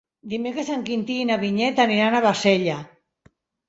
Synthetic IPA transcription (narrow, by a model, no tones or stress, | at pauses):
d̪imekɾesaŋkint̪iːnaβiɲet̪aniɾanaβaseʎa